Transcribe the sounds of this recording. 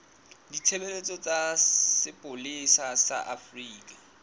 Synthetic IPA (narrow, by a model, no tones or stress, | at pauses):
ditʰebelet͡sʼɔt͡sʼasɪpʼʊlɪsasa̰ʔafriːkʼa